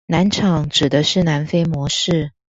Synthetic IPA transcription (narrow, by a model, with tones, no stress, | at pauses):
na˧˥nʈ͡ʂʰɑ˨˩˦ŋʈ͡ʂɻ̩˨˩d̪ə˦ʂɻ̩˥˩na˧˥nfe˥ɪmwɔ˧˥ʂɻ̩˥˩